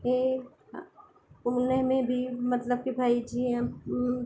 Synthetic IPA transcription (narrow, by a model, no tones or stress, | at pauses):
e | ʊnəɦmẽbʱimɐt̪ləb̚kebʱaːid͡ʒiɛ